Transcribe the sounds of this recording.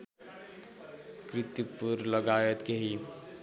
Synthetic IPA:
kɾit̪ipuɾlʌɡawet̪keɦi

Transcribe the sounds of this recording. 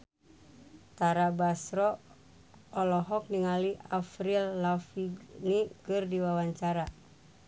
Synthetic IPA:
t̪aɾabasɾɔ | ɔlɔɦɔk̚niŋaliafɾilːafiɡnikɨrdiwawaɲt͡ʃaɾa

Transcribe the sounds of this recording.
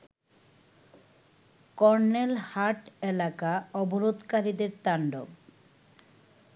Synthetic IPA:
kɔɾnelhaʈelakaɔboɾod̪kaɾid̪eɾt̪aɳɖo̰b

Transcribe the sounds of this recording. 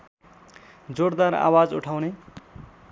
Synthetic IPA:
d͡zoɽd̪aɾa̰wad͡zṵʈʰawne

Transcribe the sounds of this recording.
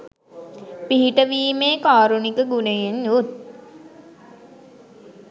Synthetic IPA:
piɦiʈəʋiːmeːkaːɾunikəɡunejenjun

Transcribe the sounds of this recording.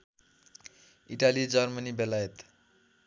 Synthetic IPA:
iʈalid͡zʌrmʌnibelajet̪

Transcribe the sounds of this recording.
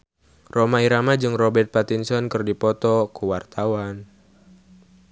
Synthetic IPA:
romaiɾamad͡ʒɨŋrɔbɛrt̪̚pat̪insɔnkɨrdipɔt̪ɔkuwart̪awan

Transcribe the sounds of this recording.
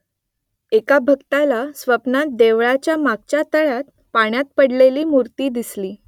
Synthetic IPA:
ekabʱəɡt̪alasʋəpnat̪̚d̪eʋɭat͡ɕjamaɡ̚t͡ɕjat̪əɭat̪̚ | paɳ̃jat̪̚pəɽleliːmuɾt̪iːd̪isliː

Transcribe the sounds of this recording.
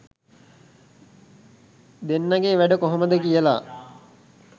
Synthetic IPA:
d̪enːaɡeːʋæɖəkoɦoməd̪əkijəla̰

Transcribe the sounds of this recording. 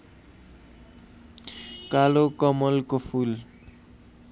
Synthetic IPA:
kalokʌmʌlkopʰul

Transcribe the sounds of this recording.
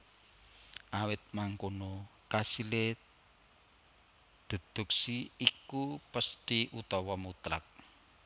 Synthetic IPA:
ʔawɪt̪̚maŋkonokasile | d̪̥ə̤d̪̥ṳksiikupəst̪iʔut̪ɔwɔmut̪ɾa̰k̚

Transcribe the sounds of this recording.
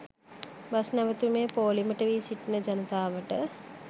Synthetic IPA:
bɐsnɐʋɐt̪umeːpoːlimɐʈɐʋiːsiʈinəd͡ʒɐnɐt̪aːʋəʈə

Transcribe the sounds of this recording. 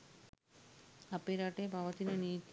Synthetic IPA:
apeɾaʈebʱaʋət̪inanit̪

